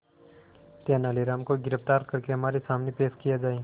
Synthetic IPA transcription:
t̪eːnaːliɾaːmkoɡɪɾəft̪aːɾkɐɾkeɦɐmaːɾesaːmnepeːʃkijad͡ʒaːe

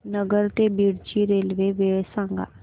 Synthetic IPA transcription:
nəɡəɾt̪ebiːɽt͡ʃiɾeːlʋeʋeɽsãŋɡa̰

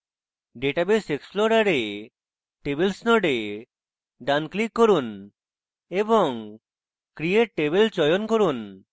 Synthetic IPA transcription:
ɖeʈabeseksploɽaɾe | ʈebelsnɔɖe | ɖanklikːoɾun | ebɔŋ | kɾieʈebelt͡ʃɔjonkoɾun

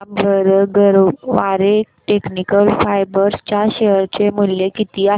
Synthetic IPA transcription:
bʱəɾɡəɾʋaɾe | ʈeknikəlfajbəɾst͡ɕjaɕeɦəɾt͡ɕemulːekit̪iːa

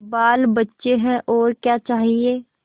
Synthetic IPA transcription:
baːlbɐtːʃeɦɛ̃ʔɔːɾkjaːt͡ʃaːɦieː

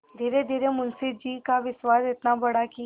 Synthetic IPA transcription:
d̪ʱiːɾed̪ʱiːɾemʊnsɪd͡ʒiːkaʋɪʃwaːsɪt̪nabɐɽaki

